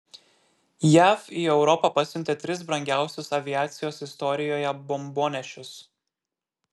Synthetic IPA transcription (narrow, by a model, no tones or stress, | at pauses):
jæːfiːɛʊɾɔpɑˑpɐsʲʊnʲt̪ʲet̪ʲɾʲɪs̬bɾɐŋʲɡʲæˑʊsʲʊsɐʋʲɪjæːt̪sʲɪjoːsɪst̪ɔɾʲɪjoːjɛbɔmboːnʲɛʃʲʊs